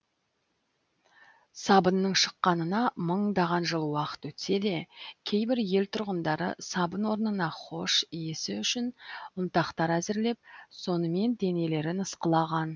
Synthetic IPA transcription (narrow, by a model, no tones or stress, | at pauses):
sɑbənːəɴʃə̥qːɑnənɑməɴd̪ɑʁɑnʒəlˠwɑqə̥t̪wɵt̪se̞d̪e̞kʲʰe̞jbɪɾje̞lt̪ʰʊɾʁənd̪ɑɾə̰sɑbənwo̞ɾnənɑχo̞ʃijesɪʏʃɪnʊnt̪ɑqt̪ɑɾæzɪɾle̞p̚so̞nəme̞nd̪e̞ne̞le̞ɾɪnəsqəlˠɑʁɑn